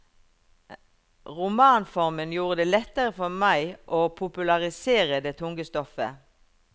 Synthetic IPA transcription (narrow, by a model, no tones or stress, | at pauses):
ʁʊmɑːnfɔʁmənjuːʁəd̪eːlɛt̪ːəʁəfɔmæɪʔoːpʰʊpʉlɑʁɪseːʁəd̪eːt̪ʰʊŋɡəst̪ɔfə